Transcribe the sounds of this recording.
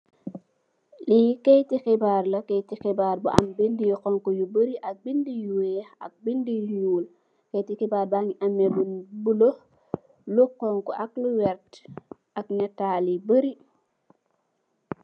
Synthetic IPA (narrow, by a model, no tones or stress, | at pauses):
likejtixibaːɾlɐkejtixibaːɾbuʔɐ̰mbindijɔqɔŋkɔjubəɾiʔɐk̚bindijuwɛha̰k̚bindijuːl | kejtixibaːɾbaŋiʔamɛbunbulo | luqɔŋkɔʔakluwɛɾtʔaknɛtaːlibəɾi